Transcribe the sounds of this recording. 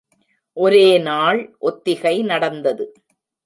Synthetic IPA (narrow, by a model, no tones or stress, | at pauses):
ʔɔɾeːnaːɭʔɔt̪ːɪɣɐɪnɐɽɐnd̪ɐðɯ